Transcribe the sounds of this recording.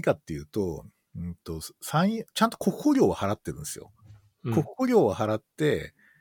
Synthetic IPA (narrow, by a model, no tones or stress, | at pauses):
ikat̪ːe̞jɯ̟ːt̪o̞ | ɯ̃nt̪o̞sãɰ̃t͡ɕãnt̪o̞ko̞kɯ̟̥hoɾʲo̞ːβahaɾat̪ːe̞ɾɯ̟̃nd̪esɨjo̞̰ | ko̞kɯ̥hoɾʲo̞ːβahaɾat̪ːe̞